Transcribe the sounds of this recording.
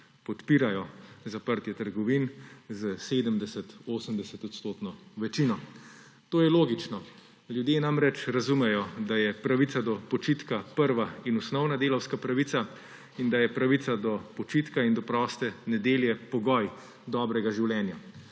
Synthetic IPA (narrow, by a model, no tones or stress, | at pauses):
pɔt̪piːɾajɔzapəɾt̪jɛt̪əɾɡɔʋinzəseːd̪əmd̪ɛsɛt̪oːsəmd̪ɛsɛt̪ɔt̪st̪oːt̪nɔʋɛt͡ʃinɔ | t̪oːjɛloːɡit͡ʃnɔ | ljud̪jenamɾɛt͡ʃɾazumɛjɔd̪ajɛpɾaʋit̪sad̪ɔpɔt͡ʃit̪kapəɾʋainɔsnɔwnad̪eːlɔwskapɾaʋit̪sa | ind̪ajɛpɾaʋit̪sad̪ɔpɔt͡ʃiːt̪kaind̪ɔpɾɔːst̪ɛnɛd̪eːljɛpɔɡɔj | d̪ɔːbɾɛɡaʒiwlɛnja